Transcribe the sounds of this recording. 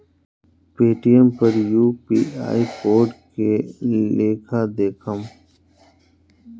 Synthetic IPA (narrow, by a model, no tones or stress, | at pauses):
peːʈijəmpɐɾjuːpiːa̰ːipoːɾɖkeleːkʰad̪eːkʰəm